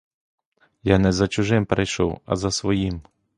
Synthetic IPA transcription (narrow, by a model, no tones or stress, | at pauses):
janɛzɐt͡ʃʊʒɪmpɾejʃɔ̰wɐ̰zɐsʋɔjim